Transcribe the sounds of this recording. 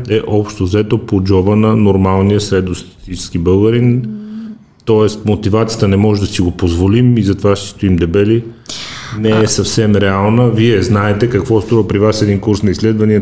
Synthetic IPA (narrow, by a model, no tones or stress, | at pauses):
ɛʔɔpʃt̪ozɛt̪opod͡ʒɔbənɐnoɾmalˠnijəsɾɛd̪ost̪ɐ̥t̪it͡ʃɛ̥sk̟ibɤlˠɡəɾin | t̪ɔɛst̪mot̪ivat̪sijət̪ənɛmɔʒɛd̪ɐsiɡopozvolimizɐt̪ovaʃt̪ɛ̥st̪oimd̪ɛbɛli | nɛɛsɐfsɛmɾɛalˠnəviɛznaɛt̪ɛkɐkvɔst̪ɾuvəpɾivasɛd̪inkuɾsnɐislɛd̪vɐniə